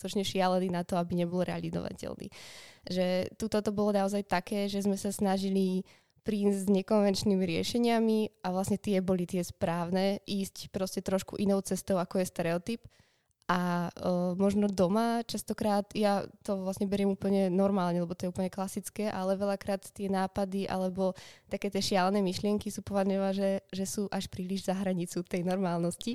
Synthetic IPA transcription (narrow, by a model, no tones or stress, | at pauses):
ut̪ɔt͡ʃɲɛʃɪalɛninat̪ɔabiɲɛbɔlɾɛa̰lḭzɔ̰ʋa̰cɛ̰lnḭʒɛt̪ut̪ɔt̪ɔbɔlɔnaɔzajt̪akɛːʒɛzmɛsasnaʒili | pɾiːzɲɛkɔnʋɛnt͡ʃnimiɾɪɛ̰ʃɛɲɪamiaʋlasɲɛt̪ɪɛbɔlit̪ɪɛspɾaːʊnɛːʔiːscpɾɔscɛt̪ɾɔʃkṵʔinɔʊt͡sɛst̪ɔʊakɔjɛst̪ɛɾɛɔt̪ip | ʔa | mɔʒnɔd̪ɔmat͡ʃast̪ɔkɾaːt̪jat̪ɔʋlasɲɛbɛɾjɛmuːpl̩ɲɛnɔɾmaːlɲɛlɛbɔt̪ɔjɛupl̩ɲɛklasit͡skɛːʔalɛʋɛʎakɾaːt̪t̪ɪɛnaːpad̪iʔa̰lɛbɔt̪akɛːt̪ɛʃɪalnɛːmiʃlɪɛŋkisuːpɔʋaʒɲɔʋaʒɛʒɛsuːʔaʃpɾiːliʒzaɦɾaɲit͡sut̪ɛjnɔɾmaːlˠnɔsci